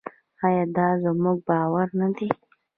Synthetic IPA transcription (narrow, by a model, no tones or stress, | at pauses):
ajɑːd̪ɑzəmuɡ̚bɑːwaɾnad̪e